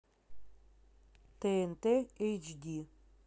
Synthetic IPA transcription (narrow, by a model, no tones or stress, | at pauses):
t̪eent̪eejt͡ʃd̪ʲi